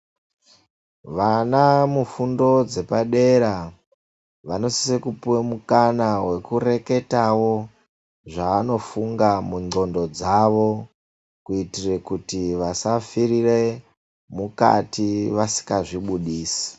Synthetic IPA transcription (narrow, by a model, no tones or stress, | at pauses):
ʋanamufundo̞d͡ze̞paɗe̞ɾa | ʋano̞si̥sekupuwemukanawe̞kure̞ke̞tawo̞ | ʐaːno̞fuŋɡamuŋ͡ǃo̞ndo̞d͡zaʋo̞ | kuitire̞kutiʋasafirire̞ | muka̰tiʋasi̥kaʐiɓuɗiːsi̥